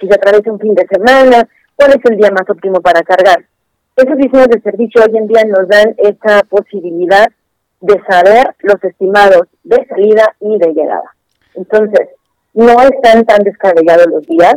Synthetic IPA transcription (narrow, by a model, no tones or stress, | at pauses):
kesat̪ɾaβjesauɱfind̪e̞se̞mãna | kwale̞se̞ld̪iamaso̞p̚t̪imo̞paɾakaɾɣaɾ | e̞so̞zβiseɲo̞zðese̞ɾβisjooʝe̞nd̪iano̞zðane̞sapo̞siβiliðað | ðe̞saβe̞ɾlo̞se̞st̪imaðo̞zðe̞saliðaiðe̞ʝe̞̰ɣa̰ða̰ | ent̪o̞nse̞s | no̞e̞st̪ant̪and̪e̞skaβeʝað̞o̞lo̞zðias